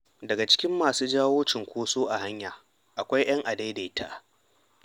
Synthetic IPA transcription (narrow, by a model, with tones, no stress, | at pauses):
dɐ˨ɡa˨t͡ʃɪ̥˦kʲɪ˦mːaː˨suː˦d͡ʒaː˦woː˦t͡ʃɪ˨ŋkʷoː˦soː˦ʔa˨ha˦ɲjaː˨ | ʔa˨kʷa˦jj̰ɐ˦ŋʔa˨da˦jda˨tʰa̰˦ʔ